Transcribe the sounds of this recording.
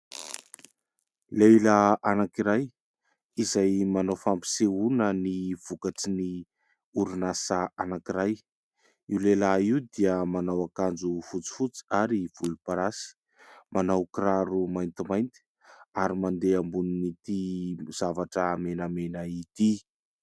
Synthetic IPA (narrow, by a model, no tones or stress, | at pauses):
lelaanakiɾaj | izajmanawfampi̥seunəniv̥ukaʈ͡ʂini | uɾunasaanakiɾaj | iwlelaiud̪iəmanawakand͡zufut͡si̥fut͡si̥aɾiv̥ulupaɾasi̥ | manawkiɾaɾumajnt̪imajnt̪i̥ | aɾimand̪eambuninit̪iz̥avaʈ͡ʂəmenəmenəit̪i